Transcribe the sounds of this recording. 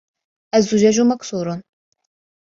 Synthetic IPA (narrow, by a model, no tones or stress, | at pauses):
ɐzːuʒaʒumɐksuːɾʊn